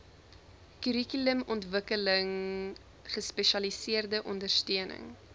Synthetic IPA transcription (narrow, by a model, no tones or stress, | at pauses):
kyɾikyləmɔntvəkələŋ | χəspɛʃɐlisiərdəʔɔndərstøənə̰ŋ